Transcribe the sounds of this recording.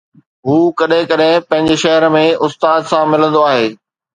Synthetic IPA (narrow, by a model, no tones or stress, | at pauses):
ɦuːkɐɗɦɪ̃kɐɗɦɪ̃pɐ̃ɦɪ̃ɲd͡ʑeʃɐɦəɾə̆mẽʊst̪aːd̪sãmɪlə̃nd̪oaːɦeː